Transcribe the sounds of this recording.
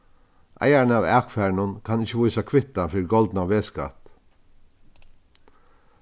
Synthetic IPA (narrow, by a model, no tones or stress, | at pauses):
ʔa̰jaɾnaːʋæ̰ːkfæɹnʊnkʰanɪçəʋujsakʰʋɪt̪ːafiːɾɡɔlt̪naːʋeːska̰t̪